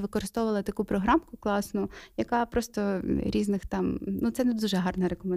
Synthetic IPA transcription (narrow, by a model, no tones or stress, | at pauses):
ʋɪkɔɾɪst̪ɔʋʊʋɐlˠɐt̪ɐkupɾɔɦɾɑmkʊklˠɑsnʊjɐkɑpɾɔst̪ɔɾʲiznɪxt̪ɑmnut̪sɛnd̪uʒɛɦɑrnɐɾekɔme